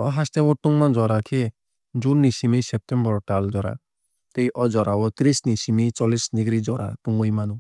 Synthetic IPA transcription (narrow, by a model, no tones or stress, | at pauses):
ɔɦast̪ɛwɔt̪uŋmand͡ʒɔɾakʰi | d͡ʒunːisimisɛp̚t̪ɛmbɔɾɔʈald͡ʒɔɾa̰ | t̪eiʔɔd͡ʒɔɾawɔt̪ɾisnisimit͡ʃɔlisniɡɾid͡ʒɔɾa̰t̪uŋɔjmanu